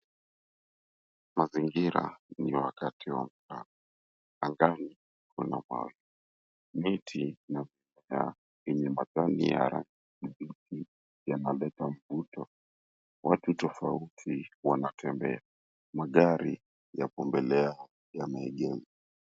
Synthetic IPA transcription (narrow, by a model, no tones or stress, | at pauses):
maziŋɡiɾa̰niwakatiwa̰m̩ka̰na | aŋɡani | kʰuna̰maɔ̰jɔ | mitʰinavimɛa̰ | ɛɲɛmatanḭja̰ɾʔa̰n | uɗitʰi | janalɛtam̩vutɔ | watutɔfautʰiwanatʰɛmbɛa | maɠaɾi | japɔmbɛlɛa | jamaɛɠɛzi